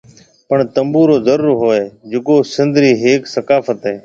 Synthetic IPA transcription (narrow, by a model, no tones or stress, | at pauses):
pəɳt̪əmbuːɾoːzəɾuːɾɦoːeːd͡ʒɪkoːsɪ̃nd̪ɾiːɦeːksəkaːfət̪ɦeː